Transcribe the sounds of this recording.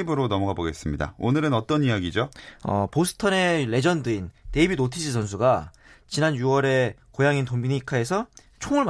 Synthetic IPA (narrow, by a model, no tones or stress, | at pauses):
ibɯɾonʌmʌɡaboɡe̞s͈ɯmɲida̰onɯɾɯnʌt͈ʌnijaɡid͡ʑoʌ̰posʰɯ̥tʰʌne̞ɾe̞d͡ʑʌndɯinte̞ibinotʰid͡ʑʰis̬ʰʌnsʰuɡa | t͡ɕinanjuʌɾe̞kojaŋintombiɲikʰae̞sʰʌ | t͡ɕʰoŋɯɭm